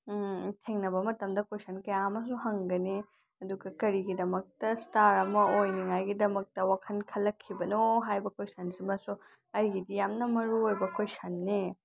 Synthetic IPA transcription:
tʰeŋnɐbɐmɐtɐmdɐkʰojsɐnkɐjaɐmɐs̬uɦɐŋɡɐni | ɐduɡɐkɐɾiɡidɐmɐk̚tɐstaɾɐmɐojniŋajɡidɐmɐk̚tɐwakʰɐnkʰɐlːɐkʰːibɐnoɦajbɐkʰojsɐnsimɐsu | ɐjɡidijamnɐmɐɾuojbɐkʰojsɐnːe

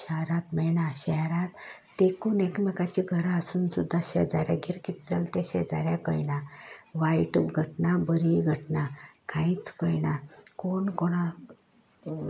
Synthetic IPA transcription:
ɕaɾat̪mɛɳaɕɛɾat̪ː | ekunɛkmɛkat͡ɕiɡʱəɾaasunsud̪ʱːaɕɛd͡zaɾja̰ɡiɾkit̪d͡zəlt̪eɕɛ̰d͡zaɾjakəjnaʋajʈubɡʱəʈnabəɾiɡʱəʈnakʰãit͡skəjnakoɳkɔɽ̃a

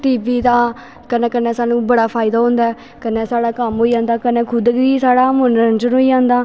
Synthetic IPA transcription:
ʈiːbiːd̪aː | kənẽːkənɛ̃ːsaːnũːbəɽaːpʰaːɪd̪aːɦõːnd̪aɛː | kənẽːsaːɽaːkəmɦoːiːd͡ʒãːnd̪aːkənẽːkʰʊd̪ɡiːsaːɽaːmʊnɾənt͡ʃənɦoːiːd͡ʒãːnd̪aː

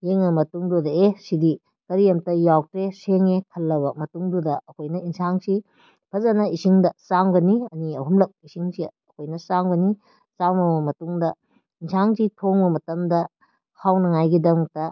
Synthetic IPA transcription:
jeŋɐmɐtuŋdodeesidi | kɐɾijɐmtɐjawk̚tɾeseŋekʰɐlːɐβɐmɐtuŋdudɐʔːkʰojnɐinsaŋsi | pʰɐzɐnɐisiŋdɐsaŋɡɐniɐniɐɦumlɐk̚isiŋsiɐkʰojnɐsaŋɡɐni | saŋbɐbɐmɐtuŋdɐ | insaŋsitʰoŋbɐmɐtɐmdɐ | hʰawnɐŋajɡidɐmtɐ

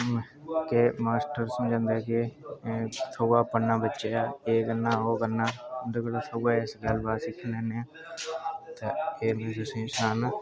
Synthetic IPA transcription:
kemaːsʈəɾsəmd͡ʒãːnd̪eke | t̪ʰoːɡaːpənːaːbətːʃeːaːeːɡənːaːɦoːɡənːaːnd̪əkəloːt̪ʰoɡaɪsɡəlbaːsɪkʰːənɛːneːaː | t̪eeːmẽːsʊsẽsʊɾaːnaː

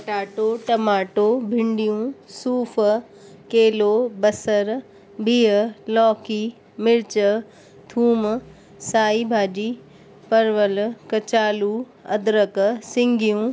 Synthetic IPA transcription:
ɐʈaːʈoʈɐmaːʈoːbʱɪ̃ɳɖijũsuːf | keːloːbɐsəɾ | biːɦəlɔːkiː | mɪɾt͡ɕə | t̪ʰuːm | saːiːbʱaːd͡ʒiː | pɐɾʋəlkɐt͡ɕaːluː | ɐ̰d̪ɾəksɪ̃ŋɡijũː

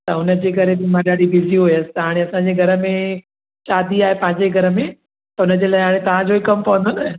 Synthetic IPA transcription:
t̪ɐʊnə̆d͡ʑeːkɐɾebɪmãɗaːɖibɪziɦujəsɪ̥t̪ɦaːɽ̃eɐsãɲd͡ʑeɡʱɐɾə̆mẽ | ʃaːd̪iaːɦepɐ̃ɦɪ̃ɲd͡ʑeɡʱɐɾəmẽ | t̪ɐʊnə̆d͡ʑeːlaːɪɦaːɽ̃ẽt̪ɐʋ̤ãd͡ʑoːbikɐmpɐʋə̃nd̪onɐ

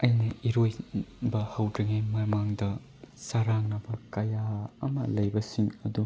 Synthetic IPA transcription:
ɐjnɐiɾojbɐhɐwdɾɐŋijmɐmaŋdɐ | saɾaŋnɐbɐkɐjaɐmɐ̰lɐjbɐsiŋɐdu

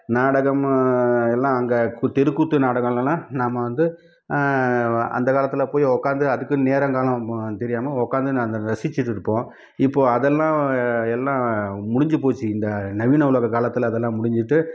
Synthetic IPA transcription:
naːɽɐɣɐmɛlːãːɐŋɡɐkt̪ɛɾɯkːut̪ːɯnaːɽɐɣɐmlɐmlãːnaːmɐʋɐnd̪ɯ | ɐ̰nd̪ɐkaːlɐt̪ːɪlɐpoːjɔkːaːnd̪ɯɐðɯkːɯneːɾɐŋkaːlɐ̃t̪ɛɾɪjaːmɐɔkːaːnd̪ɯnːɐnd̪ɐɾɐsɪt͡ʃːɪʈːɪɾɯpːõː | ɪpːoːɐðɛlːãːɛlːãːmʊɽɪɲd͡ʒɯpoːt͡ʃːɯɪnd̪ɐnɐʋiːnɐʊlɐɣɐkaːlɐt̪ːɯlːðɛlːãːmʊɽɪɲd͡ʒɪʈːɯ

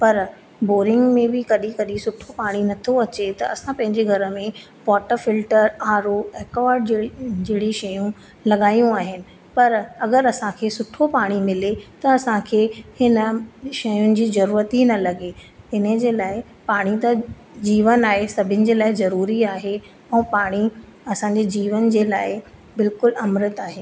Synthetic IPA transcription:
pɐɾ | boːɾɪ̃ŋɡmẽbɪkɐɗikɐɗisʊʈʰopaːɽ̃inɐt̪ʰoɐt͡ɕet̪ɐʔɐsãpɐ̃ɦɪ̃ɲd͡ʑeɡʱɐɾə̆mẽ | ʋɔːʈəfɪlʈəɾaːɾoɛːkoʋaːɾɖ̚d͡ʑeːɽiʃɐjũ | lɐɠaːjũaːɦɪnɪ̆ | pɐɾɐɡəɾɐsãkʰeːsʊʈʰopaːɽ̃imɪlet̪ɐɐsãkʰeːhɪnə̆ʃɐjʊnɪ̆d͡ʑiːzɐɾuːɾət̪inɐlɐɡeɪnəd͡ʑeːlaːɪ | paːɽ̃it̪ɐ | d͡ʑiːʋənaːɦesɐbʱɪnɪ̆d͡ʑeːlaːɪzɐɾuːɾiaːɦe | ɛ̃ːpaːɽ̃i | ɐsãɲd͡ʑed͡ʑiːʋənd͡ʑeːlaːɪ | bɪlkʊlɐmɾɪt̪aːɦeː

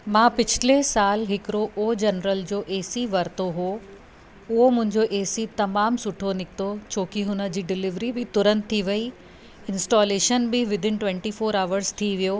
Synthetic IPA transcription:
mãːpɪt͡ɕʰɪlesaːlɦɪkɪɾoʔːd͡ʑɐnɾəld͡ʑoːʔeːsiʋɐɾt̪oɦo | ʊɦomʊ̃ɦɪ̃ɲd͡ʑoʔeːsit̪ɐmaːmsʊʈʰonɪkɪt̪ot͡ɕʰoːkiɦʊnəd͡ʑiːɖɪlɪʋɾibɪt̪ʊɾə̃nd̪̚t̪ʰːiʋɐi | ɪ̃nsʈɔːleːʃənbɪʋɪd̪ʱɪn̆ʈʋɛ̃ɳʈifoːɾaːʋəɾzt̪ʰiʋijo

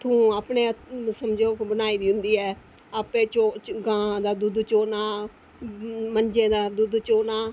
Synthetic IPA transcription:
t̪ʰũːaːpneːsəmd͡ʒoːkbənaːiːd̪iːɦʊ̃nd̪iːɛː | aːpẽːt͡ʃoːɡãːd̪aːd̪ʊd̪t͡ʃoːnaː | mənd͡ʒẽːd̪aːd̪ʊd̪t͡ʃoːnaː

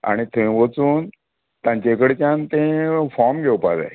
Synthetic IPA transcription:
a̰ɽ̃it̪ʰẽʋət͡suːn | t̪ãɲt͡ɕekəɽet͡ɕãnt̪ẽfɔɾmɡʱewpa̰d͡za̰j

